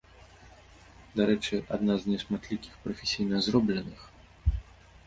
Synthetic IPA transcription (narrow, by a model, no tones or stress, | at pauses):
d̪aɾɛt͡ʂɨʔa̰d̪naznʲɛsmat̪lʲikʲi̥xpɾɐfʲɛsʲijnɐzrɔblʲɛnɨx